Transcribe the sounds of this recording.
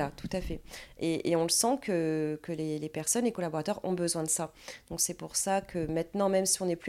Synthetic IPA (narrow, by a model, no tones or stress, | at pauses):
at̪u̥t̪afɛeʔeɔ̃ləsɑ̃kəkəlelepɛʁsɔnlekɔlabɔʁat̪œʁɔ̰̃bəzwɛ̃d̪əsa | d̪̥ɔ̃ksɛpuʁsakʰəmɛ̃t̪nɑ̃mɛmsiɔ̃nɛply